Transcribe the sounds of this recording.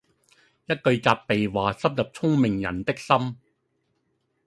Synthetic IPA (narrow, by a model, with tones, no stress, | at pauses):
jɐ˥t̚kɵ˧ɥt͡saː˧pːe˨jwaː˨˩sɐ˥p̚jɐ˨p̚t͡sʰʊ˥ŋmɪ˨ŋjɐ̰˨˩nt̪ɪ˥k̚sɐ˥m